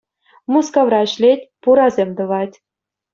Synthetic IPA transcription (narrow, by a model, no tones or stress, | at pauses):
muskɑʋrɑ̆ɕlʲetʲpuɾɑzʲemʲd̪ɤ̆ʋɑtʲ